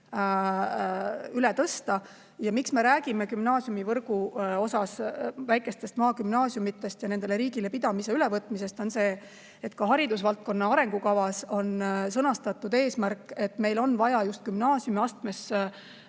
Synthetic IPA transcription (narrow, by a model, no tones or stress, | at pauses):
ylet̪ɤst̪ɑ | jɑmiksme̞ɾæːɡime̞kymnɑːsjumivɤrɡuo̞sɑsvæjkˑe̞st̪e̞st̪mɑːɡymnɑːsjumit̪ˑːe̞st̪jɑne̞nd̪ele̞ɾiːɡ̥ile̞pid̪̥ɑmise̞ylevɤt̪ːˑmise̞st̪o̞nse̞ː | et̪kɑɦɑɾid̪̥usvɑlt̪̚ko̞nːɑɑɾe̞ŋɡ̥ukɑvɑso̞nsɤnɑst̪ɑt̪ːˑud̪̥e̞ːsmærkːˑe̞t̪ːˑme̞jlo̞nvɑjɑjust̪̚kymnɑːsjumiɑst̪me̞s